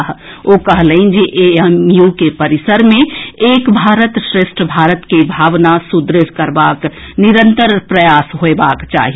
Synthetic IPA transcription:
ɦokəɦləind͡ʒeʔeəmjukepəɾisəɾmẽeːkbʱaːɾət̪sɾeʃʈʰəbʱaːɾət̪kibʱaːʋnasud̪ɾɪskəɾbakniɾənt̪əɾpɾəjasɦoebakt͡ʃa̰ːɦi

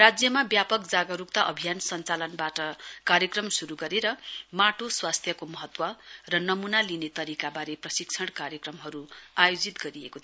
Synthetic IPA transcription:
rad͡zjʌmabjapʌkd͡zaɡʌɾuk̚t̪aʔʌbʱijansʌnt͡salʌnbaʈʌkaɾjʌkrʌmsuɾuɡʌɾeɾʌmaʈoswast̪ʰjʌkomʌɦʌt̪wʌrʌnʌmunalinet̪ʌɾikabaɾeprʌsikt͡sʰʌɽkaɾjʌkrʌmɦʌɾuajod͡zit̪ɡʌɾiekot̪ʰ

